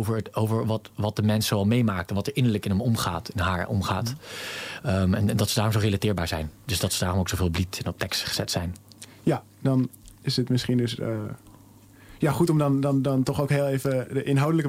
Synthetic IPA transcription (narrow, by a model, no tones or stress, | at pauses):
wvəɹowvəɹʋɑtʋɑt̚dəmɛnsowɑlˠmejmaːk̚tɛnʋɑtɛɹʔɪnəɹləkɪnɦəmɔmχaːtɪnɦaːɹɔ̰mχaːt | əmɛnndɑtsədaːrɔmzorelatɪːɹbaːɹzɛ̰jndɵsdɑtsədaːɹrɔmowksowveːlˠblitɛnɔp̚tɛkstχəz̥ɛtsɛjn | ja | dɑnɪsətmɪsχindɵs | jaχutɔmdɑndɑndɑntɔχowkɦɪːlˠejvədəʔɪnɦawdələkə